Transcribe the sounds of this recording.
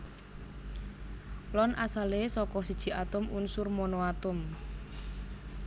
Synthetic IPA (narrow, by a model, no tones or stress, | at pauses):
lɔnʔasalesɔkɔsid̥ʒ̥i̤ʔat̪ʊmunsʊrmɔnoat̪ʊm